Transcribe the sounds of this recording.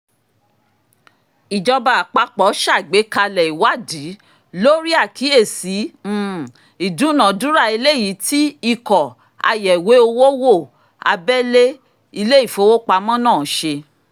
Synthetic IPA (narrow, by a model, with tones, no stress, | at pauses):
i˨d͡ʒɔ˧ba˨a˨k͡pa˨˦k͡pɔ˨˦ʃa˦˨ɡ͡be˨˦ka˧lɛ˨i˨wa˦˨di˨˦ | lo˦ɾi˦a˦˨ki˨˦e˦˨si˨˦˨ | i˨dũ˨˦nã˨dũ˨˦ɾa˦˨i˧le˦ji˨˦ti˦i˦kɔ˨ | a̰˧jɛ˨we˨˦o˧wo˦wo˦˨ | a̰˧bɛ˦le˦ | i˧le˦i˦˨fo˨˦wo˦k͡pa˧˦mɔ̃˦nãː˦˨ʃe˧